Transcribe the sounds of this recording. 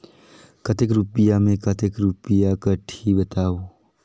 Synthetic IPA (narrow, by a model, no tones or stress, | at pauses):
kɐt̪ekɾupɪjamẽkət̪ekɾupɪjakəʈʰibət̪aːoː